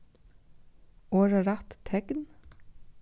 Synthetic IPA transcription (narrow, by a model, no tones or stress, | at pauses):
oːɹɑɾɑt̪t̪ʰɛɡn